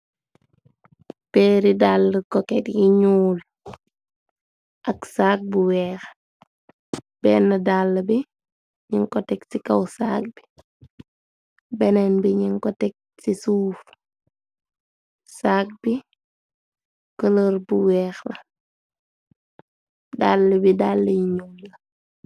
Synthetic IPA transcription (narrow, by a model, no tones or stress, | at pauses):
peːɾidaːlːəkɔkɛtjiɲuːl | ʔɐksaːk̚buwɛːx | b̥ɛːnːɐdaːlːɐbi | ɲiŋkɔtɛksikɐwsa̰ːk̚b̥i | bɛnɛnbiɲiŋkɔtɛk̚ | sisuːf | saːk̚bi | kələɾbuwɛːxlɐ | daːlːəbidaːlːəjiɲuːlːɐ